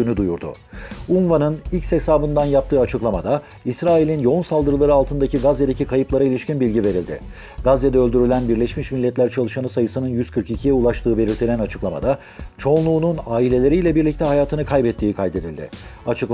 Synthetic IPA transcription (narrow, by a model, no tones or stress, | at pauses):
ynyd̪ujuɾd̪ʊ̰ | unvanɯnicʲsesaːbɯnd̪anjap̚t̪ʰɯːat͡ʃʰɯklˠamad̪a | isɾaːilʲinjo̞unsalˠd̪ɯɾɯlˠaɾɯalˠt̪ʰɯnd̪acʰiɡazed̪e̞cʰikʰajɯplˠaɾailʲiʃcinbilʲɟive̞ɾilʲd̪ɪ̰ | ɡ̥azːed̪ɛø̞lʲd̪yɾylʲænbiɾlʲɛʃmiʃmilʲːɛt̪lʲæɾt͡ʃʰalˠɯʃanɯsajɯsɯnɯnjyzkʰɯɾkicʰijɛulˠaʃt̪ʰɯːbe̞lʲiɾt̪ʰilʲænat͡ʃʰɯ̥klˠama̰d̪a | t͡ʃʰo̞nˠuːnunaːilʲe̞lʲe̞ɾijːlʲɛbiɾlʲic̚t̪ɛɦajaːt̪ʰɯnɯkʰajbɛt̪ʰːiːkʰajd̪e̞d̪ilʲd̪ɪ̰at͡ʃʰɯk